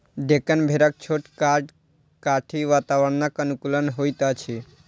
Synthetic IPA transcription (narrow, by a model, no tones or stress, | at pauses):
ɖekənbʱeɾak̚t͡ʃʰoʈkaɖ | kaʈʰiʋat̪aʋəɽnakənukulənɦojt̪at͡ʃʰi